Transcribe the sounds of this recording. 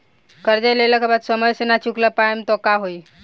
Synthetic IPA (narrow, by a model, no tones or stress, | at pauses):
kəɾd͡ʑeleləkʰəbat̪səməɾsənat͡ɕukləpajəmt̪ɔkaɦoi